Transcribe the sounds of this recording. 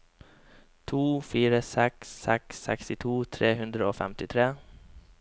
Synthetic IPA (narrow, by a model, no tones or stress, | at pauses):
t̪ʰuːfiːɾəsɛksɛksːɛ̰kst̪ɪt̪ʰuːt̪ʰɾeːhʉnd̪ɾəoːfɛ̰mt̪ɪt̪ʰɾeː